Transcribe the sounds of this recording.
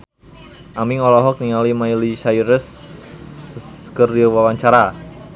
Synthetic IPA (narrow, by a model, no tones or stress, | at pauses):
ʔamiŋɔlɔɦɔk̚niŋalimajlisaiɾəs | kərdiwawaɲt͡ʃaɾa